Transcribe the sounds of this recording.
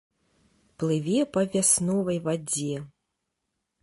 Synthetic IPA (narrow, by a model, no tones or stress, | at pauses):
plˠɨvʲɛpɐvʲasnɔvɐjvad͡zʲɛ